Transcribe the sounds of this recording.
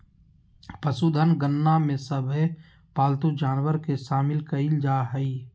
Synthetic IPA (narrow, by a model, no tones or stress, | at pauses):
pəsud̪ʱənɡənːamẽsəbʱ | paːlt̪ud͡ʒaːnwəɾkeʃaːmɪlkɐild͡ʒaːɦəi